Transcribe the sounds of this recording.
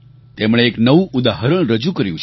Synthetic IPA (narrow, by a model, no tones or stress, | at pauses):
t̪emɽ̃eːknəʋũʔud̪aɦəɾəɳ̃ɾəd͡ʒukəɾjũt͡ʃʰ